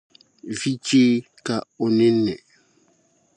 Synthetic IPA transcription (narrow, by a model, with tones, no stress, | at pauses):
vi˦t͡ʃeː˦ | ka˨o˨ne˦nɛ˨